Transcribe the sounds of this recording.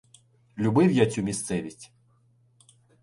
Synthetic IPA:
lʲʊbɪwjat͡sʲumʲist̪sɛʋʲisʲtʲ

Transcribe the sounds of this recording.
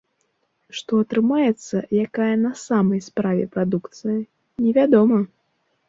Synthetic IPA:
ʂt̪ɔɐt̪ɾɨmajɛt̪sːɐjakajɐnɐsamɐjspɾavʲɛ̰pɾad̪ukt̪sɨjɐ | nʲɛvʲad̪ɔmɐ

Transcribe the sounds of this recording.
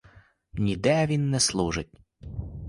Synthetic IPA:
nʲid̪ɛʋʲinːɛslˠuʒɪt̚ʲ

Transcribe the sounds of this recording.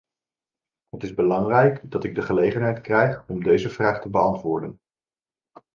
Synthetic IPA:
ɦətɪzbəlɑŋrɛjkdɑtɪɡ̚dəχəlejχənɦɛjtkrɛjχɔmdejzəvraːχtəbəɑntʋʊːɹdən

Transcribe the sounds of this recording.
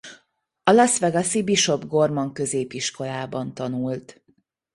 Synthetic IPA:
ɒlɒsʋɛɡɒsibiʃo̞bɡo̞rmoŋkø̞zeːpiʃko̞laːbɒnt̪ɒnult̪

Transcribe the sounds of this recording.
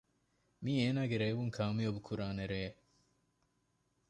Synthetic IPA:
miːeːnaːɡeɾeːʋuŋkʰaːmiɐbukʰuɾaːneɾeː

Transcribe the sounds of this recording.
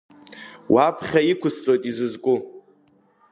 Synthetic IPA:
wʔapʰχʲaikʷʰʊst͡sʼo̞jtʼizɨzkʷʼʊ

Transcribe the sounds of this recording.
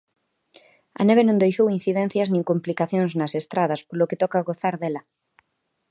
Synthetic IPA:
ɐ̰neβenõŋd̪ejʃowin̟θiðɛnθjɐznĩŋkomplikaθjoŋznɐsest̪ɾaðɐspoloket̪ɔkaɣoθaɾðelɐ

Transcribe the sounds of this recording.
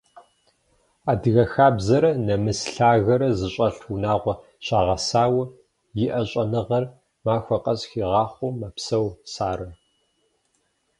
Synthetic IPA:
aːdɨɣɐxaːbzɐɾɐnɐmɨsɬaːɣɐɾɐzɨɕʼɐɬunaːʁʷɔ | ɕaːʁɐsaːwɐ | jɪʔɐɕʼɐnɨʁɐr | maːxʷɔqʼɐsxiːʁɑːχʷʊmɐpsɐwsaːɾɐ

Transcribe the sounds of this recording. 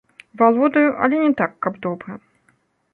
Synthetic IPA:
valˠɔd̪ɐjuʔɐ̰lʲɛnʲɛt̪akːɐbd̪ɔbɾɐ

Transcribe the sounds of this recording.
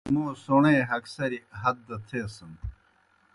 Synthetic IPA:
moːsoɳẽːɦɐksɐɾiɦɐd̪̚ːɐt̪ʰeːsɐm

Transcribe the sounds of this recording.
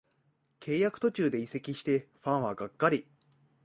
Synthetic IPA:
kʰe̞ːjakɯ̟̥t̪o̞t͡ɕɨːd̪e̞ise̞kʲiɕi̥t̪e̞ɸãɰ̃βaɡakːaɾʲi

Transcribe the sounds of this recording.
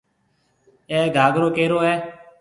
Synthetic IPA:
ɛːɡʱaːɡɾoːkeːɾoːɛː

